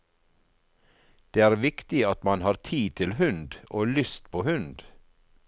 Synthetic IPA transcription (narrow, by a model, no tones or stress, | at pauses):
d̪̥eːæːɾʋɪkt̪ɪɑt̪mɑnhɑːɾt̪ʰiːt̪ʰɪlhʉnd̪ʔoːlʏst̪pʰoːhʉnd̪